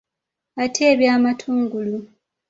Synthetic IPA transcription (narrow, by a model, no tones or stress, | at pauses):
atʰe̞ːβjaːmatʰuːŋɡulu